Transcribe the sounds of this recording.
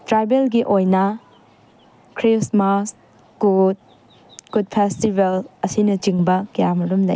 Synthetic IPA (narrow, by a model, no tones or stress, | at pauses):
tɾajbelɡiʔojnɐ | kʰɾismas | ɡ̥ud̚ | ɡ̥ud̚pʰestibelɐsinɐt͡ʃiŋbɐkijamɐɾumlɐ̰j